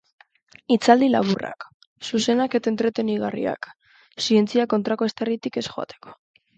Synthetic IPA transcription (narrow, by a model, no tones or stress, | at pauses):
it͡sald̪ila̰β̞ura̰k | suse̞nake̞t̪aent̪ɾe̞t̪eniɣarḭa̰k | sie̞nt͡siako̞nt̪ɾako̞est̪erit̪ike̞sxo̞a̰t̪e̥ko̥